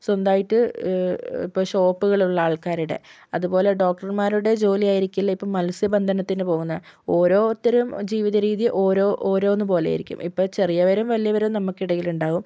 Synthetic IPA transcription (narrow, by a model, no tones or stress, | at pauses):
sond̪aːjiʈːɨ | ḭpːoːɕo̞ːpːuɣɐɭuɭːɐaːɭkaːɾuɽe̞̰ | ɐðupo̞ːle̞ɖo̞ːk̚ʈɐrmaːɾuɽe̞d͡ʑo̞ːlijaːjiɾikʲːilːɐipːɐːmɐlsjɐbɐnd̪ʱɐnɐt̪ːinɨpo̞ːɣunːɐoːɾoːt̪ːɐɾumd͡ʑiːʋiðɐɾiːðjiʔo̞ːɾoːʔoːɾo̞ːnːɨpo̞ːlḛjḭɾikʲːṵmipːo̞ːɭt͡ɕe̞rijɐʋɐɾɐmʋɐlijɐʋɐɾumnɐmːukːiɽɐjiluɳɖaːɣum